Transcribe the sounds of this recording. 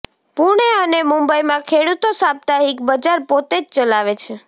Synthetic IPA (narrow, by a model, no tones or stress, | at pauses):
puɽ̃eənemũmbəimãkʰeɽut̪osab̚t̪aɦikbəd͡ʒaɾpot̪ed͡ʒt͡ʃəlaʋet͡ʃʰe